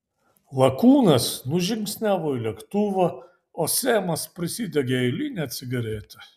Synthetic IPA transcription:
lˠɐkuːnɐsnʊʒʲɪŋʲksʲnʲæːʋoːilʲɛkt̪ʊʋɐ | oːsʲeːmɐspʲɾʲɪsʲiːd̪ʲɛɡʲeɛɪlʲiːnʲɛɐt̪ʲsʲɪɡɐɾʲeːt̪ʲɛ

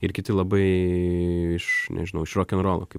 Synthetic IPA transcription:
ɪɾkʲɪt̪ʲɪlˠɐbɐɪ | ɪʃnʲʔɛ̰ʒʲɪnɐʊɪʃɾoːkʲɛnɾoːlˠo̰kɐɪ

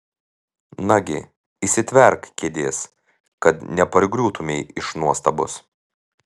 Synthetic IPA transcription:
nɐɡʲɪ̰ | isʲɪt̪ʲʋʲɛɾkkʲeːd̪ʲeːs | kɐt̪nʲɛpɐɾʲɡɾʲuːt̪ʊmʲeɪɪʃnuɔst̪ɐbʊ̰s

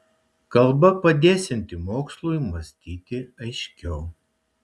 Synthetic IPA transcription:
kɐlˠbɐpɐd̪ʲeːsʲɛnʲt̪ʲɪmoːkslˠujmɐsʲt̪ʲiːt̪ʲɪɐɪʃʲkʲɛʊ

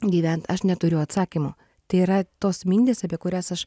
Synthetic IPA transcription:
ɡʲiːʋʲɛnt̪ɐʃnʲɛt̪ʊɾʲʊɐt̪sɑːkʲimoː | t̪ɐɪiːɾɐt̪oːsmʲiːnʲd̪ʲeːsɐpʲiɛkʊɾʲæːsɐʃ

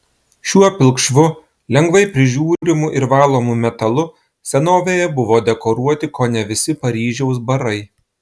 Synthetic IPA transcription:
ʃʲuɔpʲɪlˠkʃʋʊ | lʲɛŋɡʋɐɪpʲɾʲɪʒʲuːɾɾʲɪmʊʔɪɾʋɑːlˠoːmʊmʲɛt̪ɐlˠʊ | sʲɛnoːʋʲeːjɛbʊʋoːd̪ʲɛkoːɾuɔt̪ʲɪkoːnʲɛʋʲɪsʲɪpɐɾʲiːʒʲɛʊsbɐɾɐɪ

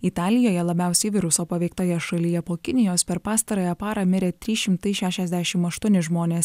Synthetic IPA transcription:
it̪ɑːlʲɪjoːjɛlˠɐbʲæˑʊsʲɛɪʋʲɪɾʊsoːpɐʋʲɛɪk̚t̪oːjɛʃɐlʲɪjɛpoːkʲɪnʲɪjoːspʲɛɾpɑːst̪ɐɾoːjɛpɑːɾɑmʲɪɾʲeːt̪ʲɾʲiːʃʲɪmt̪ɐɪʃʲæːʃʲɛzʲd̪ʲæʃʲɪmɐʃt̪ʊɔnʲɪʒmoːnʲeːs

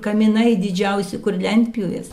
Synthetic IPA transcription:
kɐmʲɪnɐɪd̪ʲɪd͡ʒʲɛʊsʲɪkʊrlʲɛnʲt̪ʲppʲɪjoːjɛs

